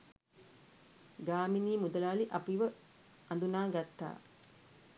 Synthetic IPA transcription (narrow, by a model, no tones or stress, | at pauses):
ɡaːminiːmud̪əlaːliʔapiʋə | and̪unaːɡat̪ːa̰ː